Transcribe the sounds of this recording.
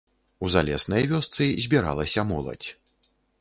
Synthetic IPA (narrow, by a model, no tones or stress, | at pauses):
uzalʲɛ̰snɐjvʲɔst̪sɨzʲbʲiɾa̰lˠɐsʲɐmɔlˠɐ̰t͡sʲ